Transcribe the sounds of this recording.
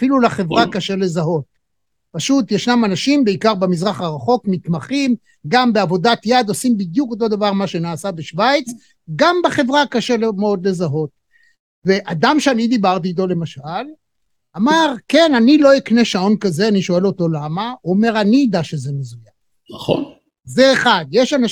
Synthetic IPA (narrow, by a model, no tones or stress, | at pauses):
afilulaχe̞vʁakaʃe̞le̞zaɦo̞t̚ | paʃut̪jeʃnamanaʃimbeikaʁbemizʁaχaʁaχo̞kmit̪maχim | ɡambeavo̞dat̪jad̪osimbid̪juko̞t̪̬o̞d̪avaʁmaʃe̞naːsabeʃvajt͡s | ɡambaχe̞vʁakaʃe̞lemeo̞d̪le̞zaɦo̞t̪̚ | ve̞ʔad̪amʃeanid̪ibaʁt̬ito̞le̞maʃal | amaʁke̞nanilo̞ikne̞ʃao̞nkazeaniʃo̞e̞lo̞to̞lamaome̞ʁanid̪aʃezemezujav | naχo̰n | zeːχad̪jeʃana